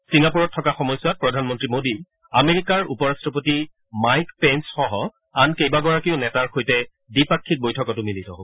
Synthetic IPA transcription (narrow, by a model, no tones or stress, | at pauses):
siŋapuɹɔtʰːɔkaxɔmɔjswat̚pɹɔdʱanmɔntɹimodi | ameɹikaɹṵpɔɹastɹɔpoti | majkpɛnsxɔɦɔ | ankejbaɡɔɹakiʊnɛtaɹxojtɛ | dipakʰːik̚bojtʰɔkɔtʊmilitɔɦob